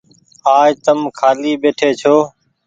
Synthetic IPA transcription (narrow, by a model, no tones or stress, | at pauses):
aːjt̪əmkʰaːliːɓeːʈʰeːt͡ʃʰoː